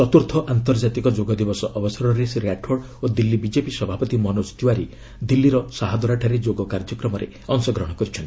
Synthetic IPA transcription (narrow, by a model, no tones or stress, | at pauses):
sɔt̪uɾt̪ʰɔʔant̪ɔɾd͡ʒat̪ikɔd͡ʒoɡɔd̪ibɔsɔʔɔbɔsɔɾɔnɾesiɾaʈʰoɽ | od̪ilːibid͡ʒepisɔbʱapɔt̪imɔnost̪iwaɾi | d̪ilːiɾɔsaɦad̪ɔɾaʈʰaɾed͡ʒoɡɔkaɾd͡ʒɔkɾɔmɔɾḛ | ɔŋsɔɡɾɔɦɽ̃ɔkɔɾit͡ʃʰɔnt̪i